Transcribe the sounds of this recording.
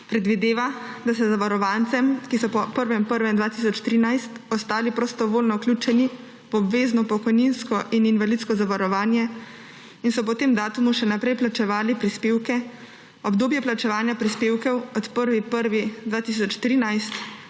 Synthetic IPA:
pɾɛd̪ʋid̪eːʋad̪asɛzaʋaɾɔʋant̪sɛmkisɔpɔpəɾʋɛmpəɾʋɛnd̪ʋaːt̪isɔt͡ʃt̪ɾiːnajst̪ɔst̪aːlipɾɔst̪ɔʋoːlnɔwklʲuːt͡ʃɛni | wɔbʋeːznɔpɔkɔjninskɔʔininʋalit̪skɔzaʋaɾɔʋaːnjɛ | insɔp̬ɔt̪eːmd̪aːt̪umuʃɛnapɾɛjplat͡ʃɛʋaːlipɾispeːwkɛ | ɔbd̪oːbjɛplat͡ʃɛʋaːnjapɾispeːwkɛwɔt̪pəɾʋipəɾʋid̪ʋaːt̪is̬ɔt͡ʃt̪ɾiːnajst̪

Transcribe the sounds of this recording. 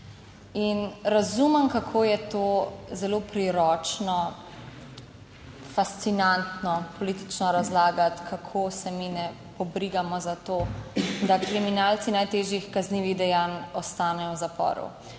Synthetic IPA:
inɾazuməmkakʰoːjɛt̪oːzɛloːpɾiɾɔːt͡ʃnɔ | fast̪sinant̪nɔpɔlit̪i̥t͡ʃnɔɾazlaːɡat̪kʰakʰoːsɛminɛ | pɔbɾiɡamɔzat̪oːd̪akɾiminalt̪sinajt̪eːʒixkazniʋiɣd̪ɛjanɔst̪aːnɛjɔwzapɔ̰ːɾṵ

